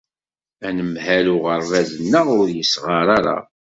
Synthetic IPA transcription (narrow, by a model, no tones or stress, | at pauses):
ænəmhælʊʁərːæðənːəʁʊɾjəsʁəɾˤaɾa̰